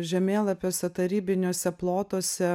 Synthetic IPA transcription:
ʒʲɛmʲeːlˠɐpʲjoːsʲɛt̪ɐɾʲiːbʲɪnʲoːsʲɛplˠoːt̪oːsʲɛ

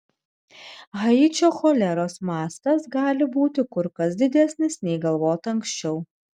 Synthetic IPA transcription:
ɣɐɪt͡ʃʲoːxoːlʲɛɾoːsmɑːst̪ɐsɡɑːlʲɪbuːt̪ʲɪkʊɾkɐs̬d̪ʲɪd̪ʲæsʲnʲɪsnʲɛɪɡɐlˠʋoːt̪ʲɐŋksʲt͡ʃʲɛʊ

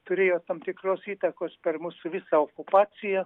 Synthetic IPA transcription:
t̪ʊɾʲeːjoːtt̪ɐmt̪ʲɪkɾoːsiːt̪ɐkoːspʲɛrmusʊʋʲɪsɑokʊpɑːt̪sʲɪjɛ

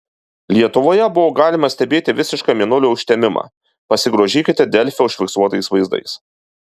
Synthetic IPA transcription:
lʲiɛt̪ʊʋoːjɛbʊʋoːɡɑːlʲɪmɐsʲt̪ʲɛbʲeːt̪ʲɪʋʲɪsʲɪʃkɑːmʲiɛnʊlʲuʊʃʲt̪ʲɛmʲɪmɑ̰ː | pɐsʲɪɡɾoːʒʲiːkʲɪt̪ʲɛd̪ʲɛlʲfʲɛʊʃʲfʲɪksuɔt̪ɐɪsʋɐɪzd̪ɐ̰ɪs

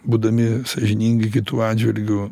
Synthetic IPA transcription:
buːd̪ɐmʲɪsɐʒʲɪnʲiːŋʲɡʲɪk̬ʲɪt̪uːɑːd͡ʒʲʋʲɪlʲɡʲʊ

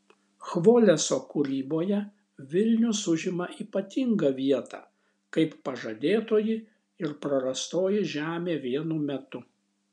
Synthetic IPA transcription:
xʋoːlʲɛsoːkʊɾʲiːboːjɛ | ʋʲɪlʲnʲʊsʊʒʲɪmɐiːpɐt̪ʲɪŋɡɐʋʲiɛt̪ɑ̰ː | kɐɪpːɐʒɐd̪ʲeːt̪oːjɪ | ɪɾpɾɐɾɐst̪oːjɪʒʲæːmʲeːʋʲiɛnumʲɛt̪ʊ

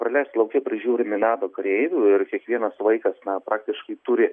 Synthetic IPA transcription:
pɾɐlʲɛɪsʲt̪ʲlˠɐʊkʲɪpʲɾʲɪʒʲuːɾʲɪmʲɪnɑːd̪oːkɐɾʲɛɪʋʲuːɪrkʲiɛkʋʲiɛnɐsʋɐɪkɐsnɐpɾɑːkt̪ʲɪʃkɐɪt̪ʊɾʲɪ

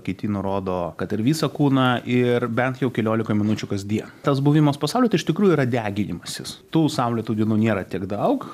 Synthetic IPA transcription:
kʲɛɪt̪ʲiːjnʊɾoːd̪oːkɐt̪ɪɾʋʲiːsɐkuːnɐʔɪrbʲɛnt̪jɛʊkʲɛlʲoːlʲɪkɐmʲɪnʊt͡ʃʲʊkɐsd̪ʲiɛt̪ɐsbʊʋʲɪmɐspɐsɑʊlʲɛt̪ɐɪʃt̪ʲɪkɾuːjʊiːɾɐd̪ʲæːɡʲɪnʲɪmɐsʲɪst̪uːsɐʊlʲɛt̪uːd̪ʲɪnuːnʲeːɾɐt̪ʲiɛɡd̪ɐʊk

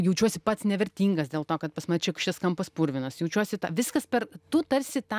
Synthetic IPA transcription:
jɛʊt͡ʃʲuɔsʲɪpɐt̪snʲɛʋʲɛɾʲt̪ʲiːŋɡɐsd̪ʲeːlˠt̪oːkɐt̪pɐsmɐt͡ʃʲɛkʃt͡ʃʲɛskɐmpɐspʊɾʲʋʲɪnɐsjɛʊt͡ʃʲuɔsʲɪt̪ɑːʋʲɪskɐspʲɛrt̪ʊt̪ɐɾʲsʲɪt̪ɑ

